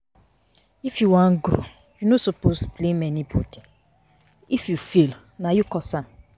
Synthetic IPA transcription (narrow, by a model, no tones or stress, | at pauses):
ifjuwãnɡɾo̰ | junosoposplemɛnibɔ̰dĩ | ifjufil | najukɔsãm